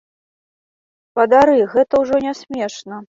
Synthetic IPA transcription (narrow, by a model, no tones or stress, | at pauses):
pɐd̪aɾɨɣɛt̪ɐwʐɔnʲɛsʲmʲɛʂnɐ